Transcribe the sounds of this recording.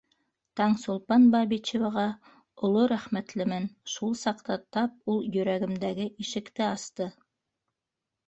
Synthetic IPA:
t̪ɑɴsŏlˠpɑnbɑbit͡ɕevɑʁɑ | ŏlˠoɾæχmæt̪lɘ̆mɘnʃulˠsɑqt̪ɑt̪ɑp̚ulˠjɵ̆ɾæɡɘ̆md̪æɡɘʔiʃɘ̆kt̪ɘɑst̪ɤ

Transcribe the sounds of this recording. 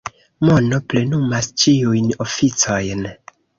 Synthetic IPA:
mo̞no̞ple̞numast͡ʃiujno̞fit͡so̞jn

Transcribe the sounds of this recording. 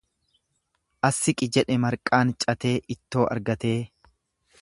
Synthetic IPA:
ʔɐsːɪkʼɪd͡ʒɛᶑɛmɐɾkʼaːnt͡ʃʼɐt̪e̞ːʔɪt̪ːo̞ːʔɐ̰ɾɡɐt̪e̞ː

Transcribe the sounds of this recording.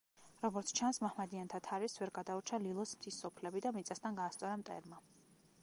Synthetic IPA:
ɾɔɡɔɾt̪sʰt͡ʃʰansmahmad̪iant̪ʰat̪ʰaɾisvɛɾɡad̪auɾt͡ʃʰalilˠɔsmt̪ʰisːɔpʰlɛbid̪amit̪sʼast̪ʰanɡaːst̪sʼɔɾamt̪ʼɛ̰ɾma

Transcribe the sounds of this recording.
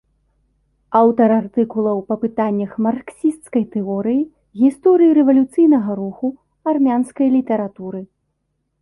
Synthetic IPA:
awt̪ɐɾart̪ɨkulˠɐwpɐpɨt̪anʲːɐxmarksʲist̪skɐjt̪ɛɔɾɨji | ɣʲist̪ɔɾɨjiɾɛvɐlʲut̪sɨjnɐɣɐɾuxu | armʲanskɐjlʲit̪ɛɾat̪uɾɨ

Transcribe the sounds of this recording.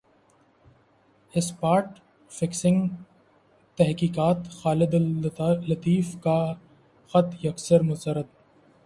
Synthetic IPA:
ɪspaːɾʈ | fɪksɪ̃ŋɡ | t̪ɛɦkiːkaːt̪xaːlɪd̪lɐt̪iːfka | xɐt̪jɐksəɾmʊsəɾət̪̚

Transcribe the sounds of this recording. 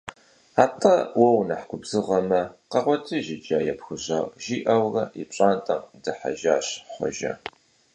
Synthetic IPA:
aːtʰʼɐwɔwnɐħkʷʊbzɨʁɐmɐqɐʁʷɔtʰʼɨʒɪd͡ʒʼaːjɛpxɨʑaːʒiːʔɐwrɐit͡ʃʼaːntʼɐmdɨħa̰ʒaːɕχʷɔ̰ʒɐ̰

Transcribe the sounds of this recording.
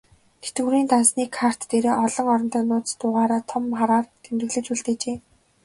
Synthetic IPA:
ɡ̥et̪ɘ̆ɾiːnt̪ansniːkʰar̥t̪ːeɾeːʔɔɮɞ̆ŋɔɾɞ̆n̥t̪œːnʊːt͡s̪t̪ʊːʁaːɾaːt̪ʰɔmχaɾaːrt̪ʰemt̪ɘ̆ɣɮɘ̆t͡ɕuɮt̪eːt͡ɕeː

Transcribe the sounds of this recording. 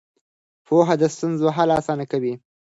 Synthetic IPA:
pʰoɦad̪əst̪unzoɦalasɑnakawi

